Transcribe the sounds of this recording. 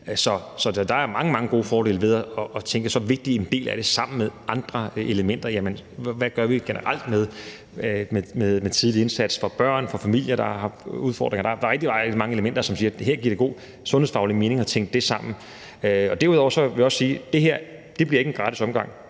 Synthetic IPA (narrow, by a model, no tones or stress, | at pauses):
sɒ̽sɒ̽d̥ɑ̈æɐmɑ̈ŋəmɑ̈ŋəɡ̥o̝̰ːfɒːɾe̝̰ːlʋe̝ð̞ˠæɒʔːt͡sʰeŋɡ̥əsɒ̽ʋe̝ɡ̥̚d̥ie̝nd̥e̝̰ːlæɾ̥e̝sɑ̈m̰n̩meðˠʔɑ̈nd̥ʁɐe̝ləmen̰d̥ɐjæmənʋæɡ̥ɶɐʋiɡ̥e̝nə̰ʁal̰d̥með̞ˠ | memeðˠmet͡sʰiðˠlie̝nsæd̥sfɒ̽b̥ɶɐ̰nfɒ̽fæmil̰jɐɾɑ̈hɑ̈uð̞ˠfɒ̰ːd̥ʁeŋɐd̥ɑ̥̈ʁɛɡ̥̚d̥iɑʁɛdimɑ̈ŋəe̝ləmen̰d̥ɐsɒ̽msiːɐɦeɐ̰ɡ̥ḭɐ̰ɾe̝ɡ̥o̝̰ː | sɔ̽nhe̝fɑ̈ʊlime̝ːne̝ŋɒ̽t͡sʰeŋ̰ɡ̥d̥ːe̝sɑ̈m̰n̩ | øɒ̽d̥æɐuðˠɒʊɐsɒ̽ʋejɒ̽sːiːd̥e̝ɦeɐ̰ | d̥e̝b̥liɐe̝ɡ̥enɡ̥ʁɑ̈ːɾisɒ̽mɡ̥ɑ̈ŋ̰